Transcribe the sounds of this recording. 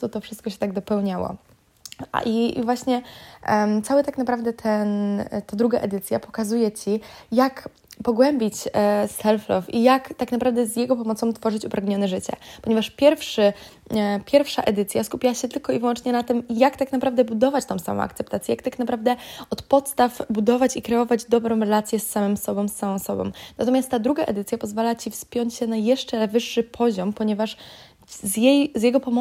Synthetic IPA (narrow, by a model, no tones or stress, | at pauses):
t̪ut̪ɔfʂɨst̪kɔɕɛ̥t̪aɡd̪ɔpɛwɲawɔ̰ | ḭvwaɕɲɛ | t̪sawɘt̪aknapɾavd̪ɛt̪ʰɛnt̪ad̪ɾuɡaʔɛd̪ɘt̪sʲjapɔ̥kazujɛt͡ɕijak | pɔɡwɛmbʲit͡ɕsɛlflɔfijakt̪aknapɾavd̪ɛzjɛɡɔpɔmɔt̪sɔ̃w̃t̪fɔʐɘt͡ɕupɾaɡɲɔnɛʐɘt͡ɕɛ̰pɔɲɛvaʂpʲjɛɾfʂɘ | pʲjɛɾfʂa̰ʔɛd̪ɘt̪sʲjaskupʲawaɕɛt̪ɘlkɔivwɔnt͡ʂɲɛnat̪ɘmjakt̪aknapɾavd̪ɛbud̪ɔvat͡ɕt̪ɔ̃w̃sa̰mɔ̰̃w̃a̰kt̪sɛp̚t̪at̪sʲjɛjak̚t̪aknapɾavd̪ɛɔt̪pɔt̪st̪avbud̪ɔvat͡ɕikɾɛɔvad͡ʑd̪ɔbɾɔ̃w̃ɾɛlat̪sʲjɛsːamɘmsɔbɔ̃m̃sːamɔ̃w̃sɔbɔ̰̃mnat̪ɔmʲjast̪ːad̪ɾuɡaʔɛd̪ɘt̪sʲjapɔzvalat͡ɕifspʲjɔɲt͡ɕɕɛnajɛʂt͡ʂɛvɘʂːɘpʰɔʑɔmpɔɲɛvaʂ | zjejzʲjɛɡɔpɔm